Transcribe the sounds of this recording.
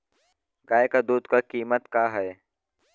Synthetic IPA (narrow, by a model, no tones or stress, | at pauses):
ɡaːɪkaːd̪uːd̪kaːkiːmət̪kaːɦɛː